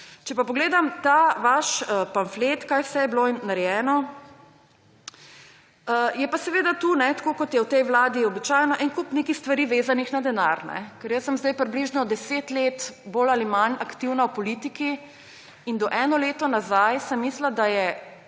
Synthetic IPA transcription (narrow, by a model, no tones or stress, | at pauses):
t͡ʃɛpapɔɡleːd̪amt̪aʋaʃəpanflet̪kajwsɛjɛblonaɾɛjɛːnɔ | əjɛpasɛʋeːd̪at̪uːnɛt̪ḁkoːkɔt̪jɛwt̪ɛjʋlaːd̪iɔbit͡ʃajnɔʔɛŋkupneːkixst̪ʋaɾiːʋeːzanixnad̪ɛnaɾnɛ̰kɛɾjəsːəmzd̪ajpɾibliʒnɔd̪ɛseːt̪leːt̪bolalimanakt̪iwnawpɔlit̪iki | ind̪ɔʔɛːnɔleːt̪ɔnazajsɛmːislad̪ajɛ